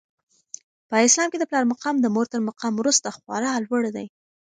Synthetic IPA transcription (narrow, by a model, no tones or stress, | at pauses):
pəɪslɑmked̪əplɑɾmaqɑmd̪əmoɾt̪əɾmaqamwɾust̪axwɑ̰ɾɑlwəɽd̪a̰j